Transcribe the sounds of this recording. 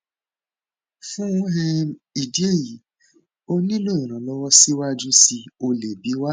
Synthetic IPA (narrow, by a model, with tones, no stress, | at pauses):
fɛ˦jɔ˦ɦe˧i˨di˦e˦˨ji˨ | o˦nĩ˦lo˦ĩ˨ɾ̃ã˨lɔ˦wɔ˦si˦wa˦d͡ʒũ˦si˧o˧le˨bi˨˦wa˦